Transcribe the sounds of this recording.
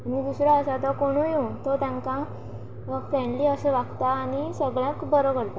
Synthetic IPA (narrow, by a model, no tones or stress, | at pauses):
anid̪usɾaəsat̪akoɽ̃ujut̪ot̪jãŋka | fɛɳliːəseʋaɡt̪aːnisəɡɭjãkbəɾəkəɽt̪a